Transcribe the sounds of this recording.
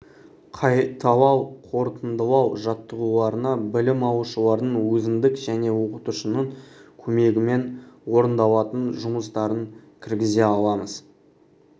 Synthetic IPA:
qʰɑjt̪ʰɑwˠɑwqʰo̞ɾt̪ənd̪əlˠɑwʒɑt̪ːəʁulˠɑɾənɑbɪlɪmɑwʃəlˠɑɾd̪əɴwɵzɪnd̪ɪkʒ̥æne̞wo̞qət̪uʃənəɴkʲʰɵme̞ɡʲɪme̞nwo̞ɾənd̪ɑlˠɑt̪ənʒʊməst̪ɑɾəŋkʲʰɪɾɡʲɪze̞ɑlˠɑməz̥

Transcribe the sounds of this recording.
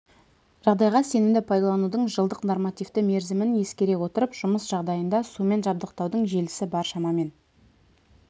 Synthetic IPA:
ʒ̥ɑʁd̪ɑjʁɑse̞nɪmd̪ɪpʰɑjd̪ɑlˠɑnud̪əɴʒəlˠd̪əqnormɑt̪ijft̪ɪme̞ɾzɪmɪnje̞skʲe̞ɾe̞wo̞t̪əɾəpʒ̥ʊməsʒ̥ɑʁd̪ɑjənd̪ɑsume̞nʒɑb̚d̪əqt̪ɑwd̪əɴʒe̞lɪsɪbɑɾʃɑmɑme̞n

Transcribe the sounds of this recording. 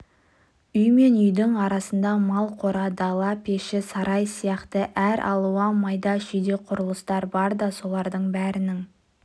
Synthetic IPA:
ʏjme̞nʏjd̪ɪŋɑɾɑsənd̪ɑmɑlˠqʰo̞ɾɑd̪ɑlˠɑpʰe̞ʃɪsɑɾʔɑjsijɑqt̪əʔæɾʔɑ̰lˠuwɑmɑjd̪ɑʒʏjd̪e̞qʰʊɾəlˠəst̪ɑɾbɑɾd̪ɑso̞lˠɑɾd̪əɴbæɾɪnɪŋ

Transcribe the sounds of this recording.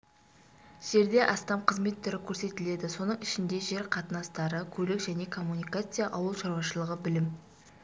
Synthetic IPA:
ʒ̥e̞ɾd̪e̞ʔɑst̪ɑmqʰəzme̞t̪ʰːʏɾɪkʲʰɵɾse̞t̪ɪle̞d̪ɪso̞nəɴɪʃɪnd̪e̞ʒe̞ɾqʰɑt̪ənɑst̪ɑɾəkʲʰɵlɪkʒæne̞kʰo̞mːunijkat̪sɨjaʔɑwəlˠʃɑɾwɑʃəlˠəʁəbɪlɪm

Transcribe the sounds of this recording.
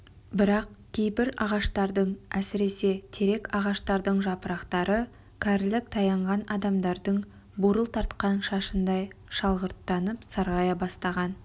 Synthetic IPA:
bɪɾɑqkʲʰe̞jpɪɾɑ̰ʁɑʃt̪ɑɾd̪əɴæsɪɾe̞se̞t̪ʰeɾe̞kɑʁɑʃt̪ɑɾd̪əɴʒɑpəɾɑqt̪ɑɾə | kʲʰæɾlɪk̚t̪ʰɑjɑɴʁɑnɑd̪ɑmd̪ɑɾd̪əɴ | buɾəlˠt̪ʰɑɾt̪qɑnʃɑʃənd̪ɑjʃɑlˠʁəɾt̪ːɑnəpsɑɾʁɑjɑbɑst̪ɑʁɑn

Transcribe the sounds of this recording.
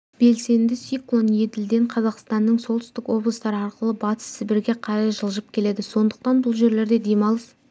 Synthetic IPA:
b̥e̞lse̞nd̪ɪsiklˠonje̞d̪ɪld̪e̞ɴqʰɑzɑqst̪ɑnːəɴso̞lˠt̪ʏ̥st̪ɪkwo̞blˠəst̪ɑɾəɑɾqəlˠəbɑt̪ə̥sːɪbɪɾɡʲe̞qʰɑɾɑʒəlˠʒəp̚kʲʰe̞le̞d̪ɪso̞nd̪əq̚t̪ɑnbʊlˠʒe̞ɾle̞ɾd̪e̞d̪e̞mɑlˠəs

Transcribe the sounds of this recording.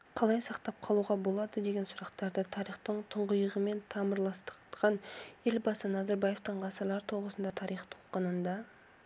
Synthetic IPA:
qʰɑlˠɑjsɑqt̪ɑp̚qʰɑlˠuʁɑbolˠɑd̪əd̪e̞ɡʲe̞nsʊɾɑqt̪ɑɾd̪ət̪ʰɑɾiχt̪əɴt̪ʰəɴʁəjəʁəme̞nt̪ʰɑməɾlˠɑst̪ə̥qqɑne̞lbɑsənɑzɑɾbɑje̞ft̪əɴʁɑsəɾlˠɑɾt̪ʰo̞ʁəsənd̪ɑt̪ʰɑɾijχt̪ʰo̥lˠqənənd̪ɑ

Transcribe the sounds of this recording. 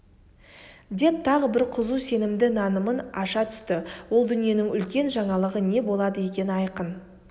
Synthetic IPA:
d̪e̞p̚t̪ʰɑʁəbɪɾqʰʊzuse̞nɪmd̪ɪnɑnəmənɑʃɑt̪ʰʏ̥st̪ɪwo̞lˠd̪ʏnije̞nɪŋʏlkʲe̞nʒɑɴɑlˠəʁəne̞bo̞lˠɑd̪əje̞kʲe̞nɪɑjqən

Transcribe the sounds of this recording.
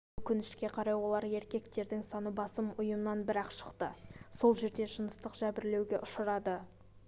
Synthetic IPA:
ʊkʲɪnd̪ɪʃkʲe̞qʰɑɾɑjwo̞lˠɑɾe̞ɾkʲe̞k̚t̪e̞ɾd̪ɪŋsɑnəbɑsəmʊjəmənɑnbɪɾɑqʃə̥qt̪əso̞lˠʒe̞ɾd̪e̞ʒənəst̪əqʒ̥æbɪɾle̞wɡʲe̞ʔʊʃəɾɑd̪ə

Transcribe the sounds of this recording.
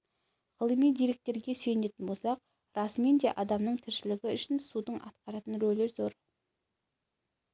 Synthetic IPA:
ʁəlˠəmijd̪ijɾe̞k̚t̪e̞ɾɡʲe̞se̞jne̞t̪ɪnbo̞lˠsɑq | ɾɑsmend̪e̞ʔɑd̪ɑmnəɴt̪ʰɪɾʃɪlɪɡʲɪʏʃɪnsud̪əɴʔɑ̰t̪̚qɑɾɑt̪ənɾɵlːe̞ɾzoɾ

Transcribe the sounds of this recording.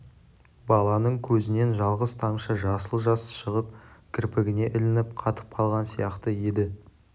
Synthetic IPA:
bɑlˠɑnəɴkʲʰɵzɪne̞nʒɑlˠʁəst̪ʰɑmʃəʒɑsəlˠʒɑsʃəʁəp̚kʲʰɪɾpɪɡʲɪne̞ʔɪlɪnɪp̚qʰɑt̪ə̥p̚qʰɑlˠʁɑnsijɑqt̪əje̞d̪ɪ

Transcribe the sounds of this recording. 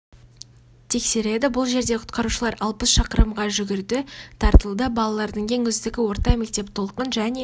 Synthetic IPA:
t̪ʰe̞kse̞ɾe̞d̪ɪbʊlˠʒe̞ɾd̪e̞qʰʊ̥t̪qɑɾuʃəlˠɑɾɑlˠpəsʃɑqəɾəmʁɑʒʏɡʲɪɾd̪ɪt̪ʰɑɾt̪əlˠd̪əbɑlˠɑlˠɑɾd̪əɴkʲʰeŋɵzd̪ɪɡʲɪwo̞ɾt̪ɑme̞k̚t̪e̞p̚t̪ʰo̞lˠqənʒæne̞

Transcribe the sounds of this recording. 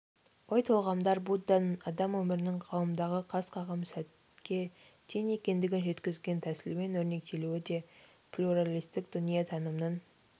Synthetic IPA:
wojt̪ʰolˠʁɑmd̪ɑɾbud̪ɑnɑd̪ɑmwɵmɪɾɪnɪŋqʰɑwəmd̪ɑʁəqʰɑsqʰɑʁɑmsæt̪ | kʲʰe̞ | t̪ʰene̞kʲe̞nd̪ɪɡʲɪnʒe̞t̪kʲɪzɡʲe̞nt̪ʰæsɪlme̞nwɵɾne̞k̚t̪ʰe̞luɪd̪e̞ | plʲuɾalʲijst̪ɪkd̪̥ʊnijɑt̪ʰɑnəmnən

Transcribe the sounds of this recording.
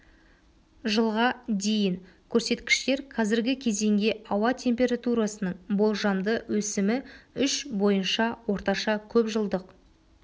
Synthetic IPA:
ʒəlˠʁɑd̪e̞jɪnkʲʰɵɾse̞t̪kʲɪ̥ʃt̪e̞ɾqʰɑzɪɾɡʲɪkʲʰe̞ze̞ŋɡʲe̞ɑwɑt̪ʰe̞mpʲe̞ɾat̪uɾɑsənəɴbolˠʒɑmd̪əwɵsɪmɪʏʃbo̞jənʃɑwo̞ɾt̪ɑʃɑkʲʰɵpʒəlˠd̪əq

